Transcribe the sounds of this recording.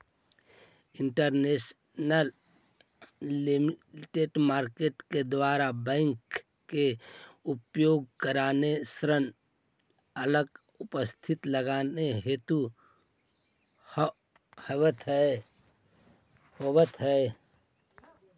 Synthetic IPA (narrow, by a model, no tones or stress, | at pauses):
ɪɳʈəɾnes | nəl | imʈeɖmaːɾkeʈked̪waːɾabɛ̃ːŋkː | eʊpjoːɡ̚kəɾaːnesɾən | ələɡ | ʊpəst̪ʰɪt̪ləɡaːneɦeːt̪u | həwət̪ɦɛ | hoːwət̪ɦɛ